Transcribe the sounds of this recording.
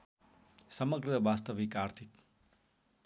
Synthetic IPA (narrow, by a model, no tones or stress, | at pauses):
sʌmʌɡrʌbast̪ʌbikart̪ʰik